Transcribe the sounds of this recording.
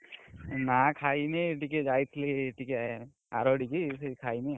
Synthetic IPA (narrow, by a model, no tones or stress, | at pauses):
nakʰajneʈiked͡ʒajt̪ʰileʈike | a̰ɾɔɖikisekʰajne